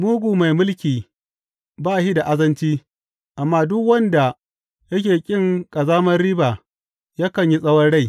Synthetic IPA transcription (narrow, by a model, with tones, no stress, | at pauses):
muː˦ɡʷu˨ma˨jmʊ˦lkʲiː˨ | baː˦˨ʃi˦da˨ʔa˦zɐ˦nt͡ʃiː˦ | ʔa˨mːaː˦dʊ˦kwɐ˦nda˨ | jɐ˦kʲeː˨kʲʼɪ˦ŋkʼɐ˨zaː˦mɐ˦rɽiː˦ba˨ | jaː˦kɐ˨ɲji˦sʼɐ˦wɐ˦nɽa˦˨j